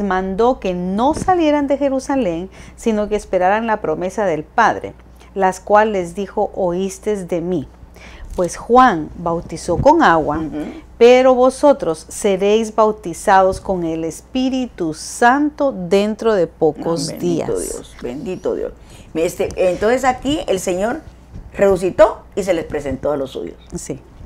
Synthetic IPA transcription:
zmãnd̪o̞ke̞no̞salje̞ɾand̪e̞xe̞ɾusale̞ŋsino̞keeːspe̞ɾaɾanlapɾo̞me̞saðe̞lpaðɾḛ | laskwalːe̞zðixo̞ʔoist̪e̞zðe̞mi | pwe̞sxwaŋbawt̪iso̞ko̞ŋaɣwapeɾo̞βo̞so̞t̪ɾo̞sːeɾejzbawt̪isaðosko̞ŋe̞lespiɾit̪usant̪oðe̞nt̪ɾo̞ðe̞pokozd̪ia̰sðjo̰sbḛnd̪it̪oðjo̰s | mest̪eent̪onses̬akielseɲoɾ | resus̬it̪ois̬e̞lespɾesent̪oalosṵjossi

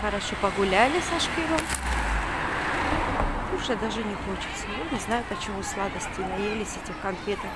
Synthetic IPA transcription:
xəɾɐʂopɐɡʊlʲælʲɪsɐʂkʲɪnom | ʊʐɛd̪aʐɨnʲɪxot͡ɕɪ̥t̪səjanʲɪznajʊpət͡ɕɪmuslˠad̪əsʲtʲɪnɐjelʲɪsʲetʲɪxkɐnfʲet̪əf

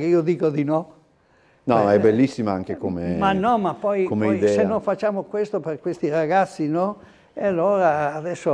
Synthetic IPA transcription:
keiːod̪iːkod̪inɔ | nɔɛbelːisːimaaŋkekomemannːɔmapːɔjkomeid̪ɛsenːojfat͡ʃːaːmokwest̪operkwest̪iɾaɡat̪sːinɔ | ealːoːɾaːðɛsːo

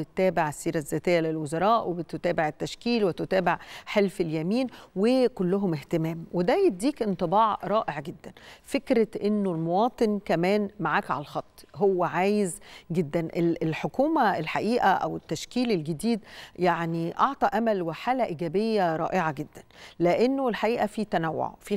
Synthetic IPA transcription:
et̪t̪æːbeʕesːiːɾæzːæːt̪ejːælelwozɑɾˤɑːʔwebet̪ot̪æːbeʕet̪ːæʃkiːlwet̪ot̪æːbeʕħelfeljæmiːnwekolːʊɦomeht̪emæːmwed̪æjet̪̚d̪iːkʔent̪ˤɨbɑːʕɾˤɑːʔeʕɡed̪ːænfekɾæʔenːolmowɑːt̪ˤɨnkæmæːnmaʕaːkʕa̰lælxɑt̪ˤːhowːæʕaːjezɡed̪ːænʔelelħokuːmæelħaʔiːʔæʔæ̰wet̪ːæʃkiːlelɡed̪iːd̪jaʕniʔɑʕt̪ˤɑʔæmælweħaːlæʔiːɡæːbejːæɾˤɑ̰ːʔeʕaɡed̪ːænleʔenːolħaʔiːʔæfit̪ænæwːo̰ʕfiː

